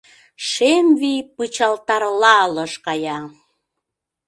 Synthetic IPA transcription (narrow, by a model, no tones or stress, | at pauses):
ʃemvipɯt͡ɕɑlt̪ɑɾlɑləʃkɑjɑ